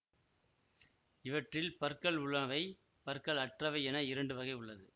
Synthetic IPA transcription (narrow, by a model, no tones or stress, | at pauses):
ɪʋɐʈrɪlpɐɾkɐɭʊɭɐʋɐɪ | pɐɾkɐɭɐʈrɐʋɐɪɛnɐɪɾɐɳɖɯʋɐɣɐɪʊɭːɐðɯ